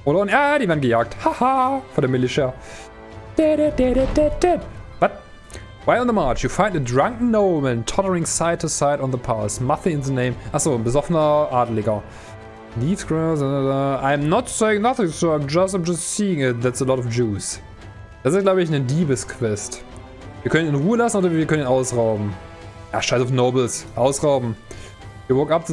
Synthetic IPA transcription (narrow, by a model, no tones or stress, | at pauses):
ʔɔɾɔ̃nadivɛ̃nɡəjaːk̚thahafɔðəmɪliʃɛ | d̥ɛɾɛd̥ɛɾɛd̥ɛd̥ɛdb̥ʌt̚ | waɪlˠə̃nðəmaɹt͡ʃjɨfãɪ̃ndɨdɹãŋknoʊmɨ̃ntʰɔɾə˞ɪ̃ŋsaɪd̚tʰəsaɪɾn̩ðəpʰaɹsmaθiɪ̃nðənẽɪ̃mʔasonbəzɔfənəʔadlɪɡə | nisɡɹazəãɪ̃mnɔtseɪɪ̃ŋnʌθɪ̃ŋsoʊãɪ̃md͡ʒʌstãɪ̃md͡ʒʌstsiɪ̃ŋɪt̚ðætsəlɔɾɔfd͡ʒuːs | d̥asɨsɡ̥laʊbəɪçnədiːpəskʰw̥ɛst | viːɐkʰɛ̃nɪ̃nʁuːəlasn̩oːdɐviɐkʰœ̃nĩnaʊsʁaʊbm̩ | ja̰ːʃaɪsɔfnoʊbl̩sʔaʊsʁaʊbm̩ | juwɔkap̚ð